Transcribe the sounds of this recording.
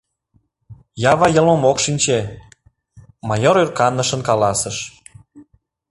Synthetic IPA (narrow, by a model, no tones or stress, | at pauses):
jɑβɑjə̆lmomokʃinʲt͡ɕe | mɑjoɾyrkɑnːəʃənkɑlɑsəʃ